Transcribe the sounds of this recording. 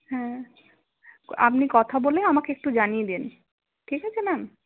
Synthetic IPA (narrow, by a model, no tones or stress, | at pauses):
hɛ̃ | a̰pnikɔt̪ʰaboleamakeek̚ʈud͡ʑanijed̪en | ʈʰikɦat͡ɕʰenam